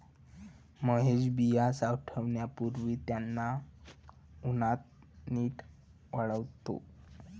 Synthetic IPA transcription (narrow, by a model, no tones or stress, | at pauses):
məɦeɕbijasawʈʰəʋɳjapuɾʋiːt̪janːa | unat̪̚ | niːʈʰ | ʋəɭəʋt̪o̰